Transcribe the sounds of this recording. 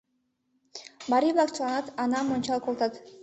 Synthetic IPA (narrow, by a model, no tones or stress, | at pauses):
baɾiblˠɑkt͡ʃlˠɑnɑt̪ɑnɑmont͡ʃɑlˠqolˠt̪ɑt̪